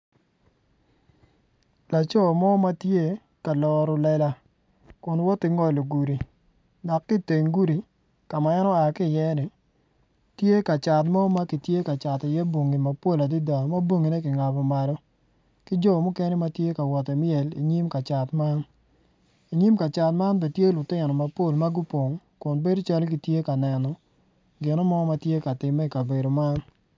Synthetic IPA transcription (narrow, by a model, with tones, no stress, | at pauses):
la˨t͡ʃɔ˦˨mɔ˦ma˦tje˦ | ka˨lɔ˨ɾɔ˨lɛ˦la˦ | kʊ˨nwɔ˦tːɪ˦ŋɔ˦lo˨ɡu˨ɾi˨ | nɔ˨kːɪ˦te˨ŋɡu˦ɾi˨ | ka˨ma˨ɛ˦nɔ˦a˨kɪ˦˨jɛ˦nɪ˨ | tje˦ka˨t͡ʃa˨tmɔ˦ma˦ki˨tje˦ka˨t͡ʃa˨tɪ˨jɛ˦bwo˨ŋi˨ma˨po˦la˨di˦da˨ma˦bo˦ŋi˨ne˦kɪ˨ŋa˨pɔ˨ma˨lɔ˦ | kɪ˦d͡ʒɔ˦˨mʊ˦ke˦ni˦ma˨˦tje˦ka˨wɔ˨tɛ˨mɪ˦ɛ˨lḭ˨ɲi˦mka˨t͡ʃa˨tma˦n | i˨ɲi˦mka˨t͡ʃa˨tma˦nbɛ˨tje˦lʊ˨tɪ˦nɔ˨ma˨po˦˨lma˦ɡu˦po˨ŋ | kʊ˨nbe˦dt͡ʃa˦lki˨tje˦ka˨nɛ˨nɔ˨ | ɡɪ˨nɔ˦mɔ˦ma˨tje˦ka˨tɪ˨mːɛ˦˨ka˨be˨do˨ma˦n